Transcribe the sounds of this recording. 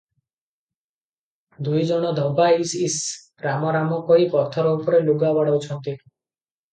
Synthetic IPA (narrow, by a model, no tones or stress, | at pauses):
d̪ujd͡ʒɔɽ̃ɔd̪ʱɔbaisis | ɾamɔɾamɔkɔɦipɔt̪ʰɔɾɔupɔɾeluɡabaɽɔwt͡ʃʰɔnt̪i